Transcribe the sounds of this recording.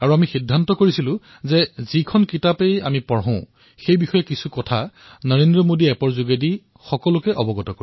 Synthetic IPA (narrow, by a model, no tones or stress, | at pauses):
aɹuamixidʱːantɔkoɹisilʊ̃ | zɛzikʰɔnkitapeja̰mipɔɹɦɔ̃ʊ̃ | xejbixɔjɛkisukɔtʰa | nɔɹendɹɔmodiɛpɔɹzuɡedi | xɔkɔlʊkɛʔɔbɔɡɔtɔko